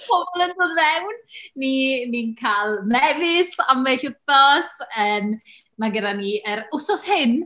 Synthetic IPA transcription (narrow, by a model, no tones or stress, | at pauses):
pʰɔbɔlˠəndʊððɛwnːinikʰalˠmɛvɪsamveɬʊθɔsən | maɡədaniəɾʊsɔshɪn